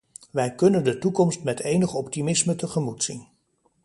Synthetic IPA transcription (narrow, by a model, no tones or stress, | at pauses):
ʋɛjkɵnəndətukɔmstmɛtejnəχɔptimɪsmətəχəmutsin